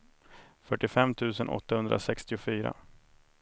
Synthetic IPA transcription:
fœʈːɪfɛmːt̪ʰʉ̟ːsənʔɔ̰t̪ːahɵnd̪ɾa̰sɛkst̪ɪʊfyːɾa̰

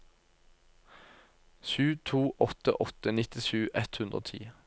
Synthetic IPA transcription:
ʃʉːt̪ʰuːʔɔt̪ə̰ʔɔt̪ənɪt̪ɪʃʉːʔɛt̪hʉnd̪ʁo̰ːt̪ʰḭː

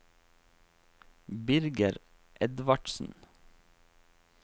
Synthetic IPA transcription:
bɪɾɡəɾ | ʔɛd̪ʋɑɖsn̩

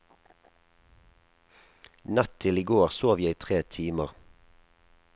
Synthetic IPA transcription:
nɑt̪t̪ʰɪliːɡoːʁsoːʋjæiːt̪ʰʁeːt̪ʰiːməʁ

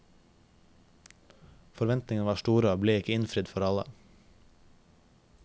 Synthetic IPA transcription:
fɔɾʋɛnt̪nɪŋənʋɑːʃtuːɾəɑːbleːɪkəɪnfɾɪd̪fɔɾɑlə̰

